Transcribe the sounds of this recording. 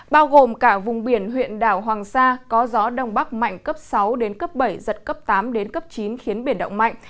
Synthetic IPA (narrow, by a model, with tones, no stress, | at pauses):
ɓaː˧wɣo˨˩mkaː˧˩vʊ˨˩ŋ͡mɓi˧˩ənɦwḭ˧˨ənɗaː˧˩wɦwaː˨˩ŋsaː˧kɔ˨˦zɔ˨˦ɗə˧˩wŋ͡mɓa˦˥k̚ma̰˧˨jŋ̟kə˦˥p̚sa˨˦wɗe˨˦nkə˦˥p̚ɓə˧˩jzə˨˩t̚kə˦˥p̚t̪aː˨˦mɗe˨˦nkə˦˥p̚t͡ɕi˨˦nxi˨˦ənɓi˧˩nɗə̰˧˨wŋ͡mma̰˧˨jŋ